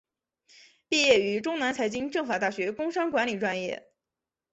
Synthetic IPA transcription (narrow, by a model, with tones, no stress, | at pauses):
pi˥˧jɛ˥˩y˧˥ʈ͡ʂʊ˥ŋna˧˥nt͡sʰa˧˥ɪt͡ɕi˥ŋʈ͡ʂɤ˥˩ŋfa˨˩t̪a˥˩ɕɥɛ˧˥kʊ˥ŋʂa˥ŋkwa˧˥nli˨˩ʈ͡ʂwa˥njɛ̰˥˩